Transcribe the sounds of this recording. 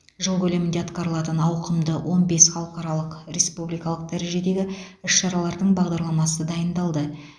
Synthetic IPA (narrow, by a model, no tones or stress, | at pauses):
ʒəlˠkʲʰɵle̞mɪnd̪e̞ɑt̪qɑɾəlˠɑt̪ənɑwqəmd̪əwʔo̞nbe̞sχɑlˠəqɑɾɑlˠəqɾʲe̞spublijkɑlˠəq̚d̪æɾe̞ʒe̞d̪e̞ɡʲɪʏʃʃɑɾɑlˠɑɾd̪əɴbɑʁd̪ɑɾlˠɑmɑsəd̪ɑjənd̪ɑlˠd̪ə